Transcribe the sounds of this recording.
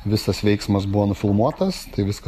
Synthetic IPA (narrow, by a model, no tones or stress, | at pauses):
ʋʲɪsɐsʋʲɛɪksmɐs̬bʊʋoːnʊfʲɪlˠmuɔt̪ɐst̪ɐɪʋʲɪskɐ